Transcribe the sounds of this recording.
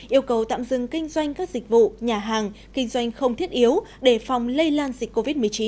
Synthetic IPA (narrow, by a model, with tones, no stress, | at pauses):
ʔi˧əwkə˨˩wt̪a̰ː˧˨mzɨ̰˧˨ŋkï˧ŋ̟zwa˧jŋ̟kaː˦˥k̚zï˨˩k̟̚vṵ˧˨ɲaː˨˩ɦaː˨˩ŋ | kï˧ŋ̟zwa˧jŋ̟xə˧wŋ͡mt̪ʰi˦˥ət̚ʔi˨˦əwɗe˧˩fa˨˩wŋ͡mlə˧jlaː˧nzï˨˩k̟kːo˧vi˦˥t̚mɨ˨˩ət͡ɕi˨˦n